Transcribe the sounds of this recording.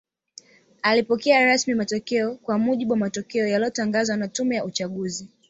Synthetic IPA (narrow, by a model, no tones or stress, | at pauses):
alipɔkɛaɾasmimatɔkɛɔkwamuʄiɓuwamatɔkɛɔjaliɔtaŋɡazwanatumɛjaut͡ʃaɠuzi